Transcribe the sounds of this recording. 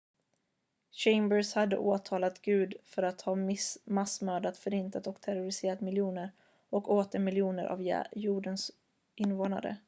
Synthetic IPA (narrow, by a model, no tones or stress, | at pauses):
ɕɛɪmbəɾshad̪ːə̰ʔoːt̪ʰɑːlat̪ɡʉ̟ːd̪fœɾat̪hɑːmɪsmasmœːd̪at̪fœɾɪnt̪at̪ɔkt̪ʰɛɾʊɾɪseːɾat̪mɪljuːnəɾ | ɔkoːt̪əɾmɪljuːnəɾʔa̰v̰juːɖəns | ʔɪnːvoːna̰ɾə̰